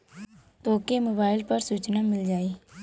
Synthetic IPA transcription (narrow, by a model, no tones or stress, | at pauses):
t̪oːkemoːbaːɪlpəɾsuːt͡ʃnamɪld͡ʒaːiː